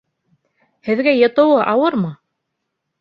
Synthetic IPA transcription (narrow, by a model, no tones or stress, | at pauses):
hɘ̆ðɡæjɤ̆t̪ɤ̆wɤʔɑwɤɾmɤ